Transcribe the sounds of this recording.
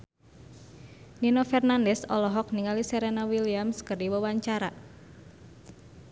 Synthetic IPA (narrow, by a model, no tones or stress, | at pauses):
ninofɛrnandɛsɔlɔɦɔk̚niŋalisɛɾenawiliamskərdiwawaɲt͡ʃaɾa